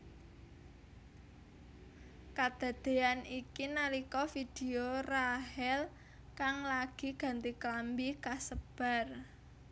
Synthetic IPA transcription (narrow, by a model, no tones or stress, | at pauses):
kad̪̥a̤d̪̥e̤anikinalikɔfid̪̥e̤oraɦɛl | kaŋlaɡ̥i̤ɡ̥a̤nt̪iklambikasəb̥a̤r